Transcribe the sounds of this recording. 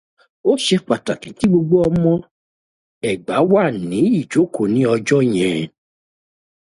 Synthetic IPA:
o˦ʃɛ˧k͡pa˨ta˨kĩ˨˦ti˨˦ɡ͡bo˧ɡ͡bo˦ɔ˧mɔ̃˦ | ɛ˨ɡ͡ba˨˦wa˦˨nĩ˨˦i˦˨d͡ʒo˨˦ko˨nĩ˨˦ɔ˧d͡ʒɔ˦j̃ɛ̃˨

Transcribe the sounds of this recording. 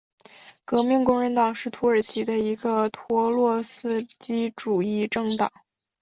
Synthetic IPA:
kɤ˧˥mi˥˧nkʊ˥ŋɻə˧˥nt̪ɑ˨˩ŋʂɻ̩˥˩t̪ʰu˧˥ə˞˨˩t͡ɕʰi˧˥d̪ə˧i˧˥ɡə˧t̪ʰwɔ˧˥lwɔ˥˧sɹ̩˥t͡ɕi˥ʈ͡ʂu˨˩i˥˧ʈ͡ʂɤ˥˩ŋt̪ɑ̰˨˩˦ŋ

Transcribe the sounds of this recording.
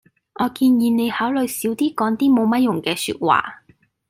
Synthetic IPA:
ʔɔː˨˧kiː˧njiː˨˧nne˨˧jhaː˨˥wlɵ˨jsiː˨˥wt̪iː˥kɔː˨˥ŋt̪iː˥mo˨˧wmɐ˥t̚jʊ˨˩ŋkɛː˧sy̰ː˧t̚wa̰ː˨˩

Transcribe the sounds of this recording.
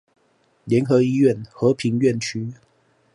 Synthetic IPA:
ljɛ˨˦˥nxɤ˨˦i˦ɥɛ˥˨nxɤ˨˦pʰi˨˥ŋɥɛ˥˨nt͡ɕʰy˥

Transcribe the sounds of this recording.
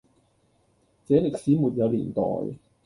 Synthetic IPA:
t͡sɛː˨˥le˨k̚siː˨˥muː˨t̚jɐ˨˧wliː˨˩nt̪ɔ̰ː˨˩j

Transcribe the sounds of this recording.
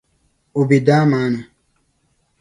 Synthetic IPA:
u˨bi˨daː˦maː˨˦nu˨

